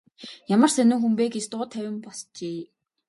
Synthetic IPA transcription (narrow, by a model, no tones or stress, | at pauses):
jamə̆r̥sænɪ̆ŋxumpeːɡet͡ɕt̪ʊːt̪ʰːæwʲɪ̆mpɔst͡ɕeː